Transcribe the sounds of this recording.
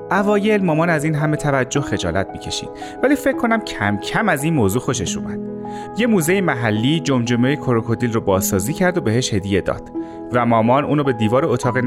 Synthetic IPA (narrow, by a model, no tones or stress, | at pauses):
ʔævɒːje̞lmɒːmɒːnæziːnɦæme̞t̪ʰævæd͡ʒːo̞hxe̞d͡ʒɒːlæt̪̚miːcʰe̞ʃḭːd̪̥ | væliːfecʰːo̞næmcʰæmcʰæmæziːnmoːzuːxo̞ʃe̞ʃṵmæd̪̥̚ | je̞muːzejimæɦælːiːd͡ʒomd͡ʒomejekʰoɾokʰo̞d̪iːlrobɒːzsɒːziːcʰæɾd̪obe̞he̞ʃhe̞d̪ije̞d̪ɒ̰ːd̪̥ | væmɒːmɒːnʔuːnobe̞d̪iːvɒːɾeot̪ʰɒːɣen